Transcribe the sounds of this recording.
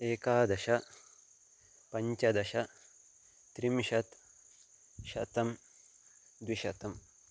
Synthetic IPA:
eːkaːd̪ɐʃɐ | pɐɲt͡ʃɐd̪ɐʃɐ | t̪ɾimʃɐt̪ | ʃɐ̰t̪ɐm | d̪wiʃɐt̪ɐm

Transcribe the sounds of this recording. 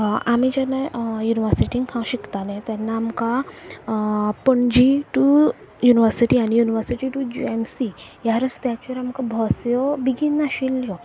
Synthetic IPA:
amid͡ʑanajuniʋəɾsiʈĩŋɡkʰãw̃ɕikt̪alẽt̪anːaːmka | pəɳd͡ʑiʈu | juniʋəɾsiʈiañijuniʋəɾsiʈiʈud͡ʑuemsijaɾəst̪jat͡ɕɔɾamkabʱɔsjɔbiɡinːaɕiljɔ

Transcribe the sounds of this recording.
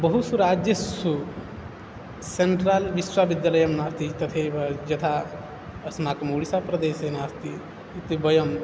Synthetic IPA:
bɐɦusuɾaːd͡ʒjɐsu | seɳʈɾaːlʋiswabid̪jaːlɐjɐmnaːst̪ʰit̪ɐt̪ʰeʋɐd͡ʒɐt̪ʰa | ɐsnaːkɐmuːɽisaːpɾɐd̪eːseːnaːst̪i | it̪ibɐjɐm

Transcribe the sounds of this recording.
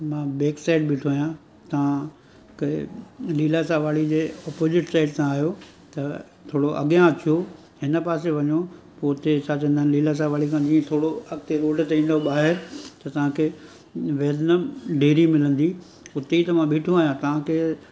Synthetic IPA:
mãːbeːksaːɪɖ̚bɪʈʰoːijã | t̪ɐʋ̤ã | k | liːlasaʋaːɭid͡ʑeːɔːpoːzɪʈsaːɪʈsãaːɦijo | t̪ɐ | t̪ʰoːɽoʔɐ̰ɠjãɐt͡ɕʰijo | ɦɪnəpaːseʋɐɲo | poʊt̪et͡ɕʰaːt͡ɕɐ̃nd̪ənliːlas̬ãʋaːɭikʰãd͡ʑiːə̃t̪ʰoːɽoɐɡt̪eɾoːɖt̪eĩːn̆d̪oɓaːɦɪɾt̪ɐt̪ɐʋ̤ãkʰe | ʋeːdnəmɖeːɾimɪlə̃nd̪i | ʊt̪eit̪ɐmãɓeːʈʰoaːɦjãt̪ɐʋ̤ãkʰeː

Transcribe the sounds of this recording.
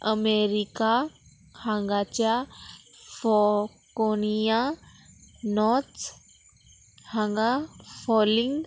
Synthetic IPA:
əmeɾika | hãŋɡat͡ɕja | fɔ | konija | nɔɾt̪ | hãŋɡafɔlĩŋɡ

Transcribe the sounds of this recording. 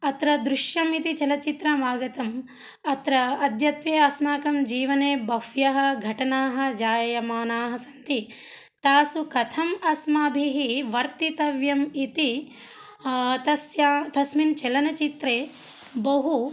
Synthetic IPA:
ɐt̪ɾɐd̪ɾuʃjɐmit̪it͡ʃɐlɐt͡ʃit̪ɾɐmaːɡɐt̪ɐm | ɐt̪ɾɐɐd̪ʱjɐt̪ʋeːɐsmaːkɐmd͡ʒiːʋɐneːbɐhjɐɦɐ̆ɡʱɐʈɐnaːɦɐ̆d͡ʒaːjɐjɐmaːnaːɦɐsɐnt̪i | t̪aːsukɐt̪ʰɐmɐsmaːbʱiɦiʋɐɾt̪it̪ɐʋjɐmit̪i | t̪ɐsjat̪ɐsmint͡ʃɛlɐnɐt͡ʃit̪ɾeː | bɐɦu

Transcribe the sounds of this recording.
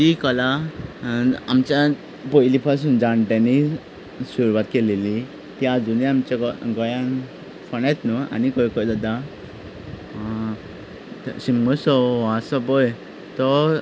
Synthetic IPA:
d͡ʑikɔla | mt͡ɕja | pɔjlipʰas̬uːnd͡zãɳʈ̪ani | suɾuʋat̪keleli | t̪jad͡zuniamt͡ɕaɡɔjãn | fəɽajt̪nɔa̰nikɔjkɔjd̪ad̪a | ɕimɡɔsɔʋasɔbɔj | t̪ɔ

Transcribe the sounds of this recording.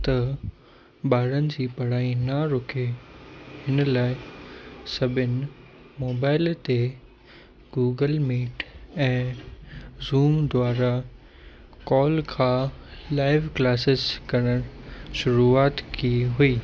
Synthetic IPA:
t̪ɐ | ɓaːɾənɪ̆d͡ʑiːpɐɽ̤aːinaɾʊkʰe | hɪnlaːɪ | sɐbʱɪnɪ̆ | moːbaːɪlt̪e | ɡuːɡəlmeːʈɛ̃ː | zuːmd̪waːɾa | kɔːlkʰãːlaːɪʋklaːsɪzkɐɾ̃əɾ̃ʃʊɾuaːt̪kiɦuiː

